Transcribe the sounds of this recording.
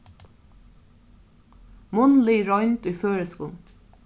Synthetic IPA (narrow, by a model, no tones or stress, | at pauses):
mʊnliːɹɔʏnt̪ujføːɹɛskʊn